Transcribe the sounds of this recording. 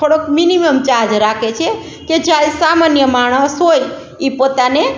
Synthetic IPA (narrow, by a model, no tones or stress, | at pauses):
oɽokminiməmt͡ʃad͡ʒɾakʰet͡ʃʰe | ked͡ʒalsamanjəmaɽ̃əsɦoj | ipot̪ane